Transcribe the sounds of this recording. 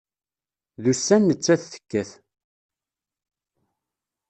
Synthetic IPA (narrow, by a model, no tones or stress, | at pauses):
ðusːænːət͡sːæθːə̥kːæθ